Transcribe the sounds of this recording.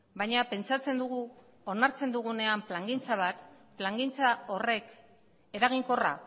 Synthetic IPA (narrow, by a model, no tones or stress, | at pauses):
bajɲape̞nt͡sat͡se̞nd̪uɣu | onaɾt͡se̞nd̪uɣ̞une̞amplaŋɡint͡saβat̪ | plaŋɡint͡sao̞re̞k | e̞ɾaɣiŋko̞ra̰